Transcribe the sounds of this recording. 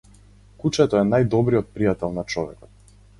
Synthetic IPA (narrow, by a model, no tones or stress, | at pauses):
kut͡ʃɛt̪ɔɛnajd̪ɔbɾiɔt̪̚pɾijat̪ɛlˠnat͡ʃɔvɛkɔt̪̚